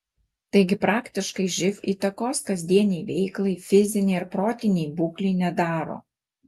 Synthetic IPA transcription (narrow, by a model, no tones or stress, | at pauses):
t̪ɐɪɡʲɪpɾɑːkt̪ʲɪʃkɐɪʒʲɪfʲiːt̪ɐkoːskɐzʲd̪ʲiɛnʲɛjʋʲɛɪklˠɐɪfʲɪzʲɪnʲɛɪɪɾpɾoːt̪ʲɪnʲɛjbuːklʲɛɪnʲɛd̪ɑːɾo̰ː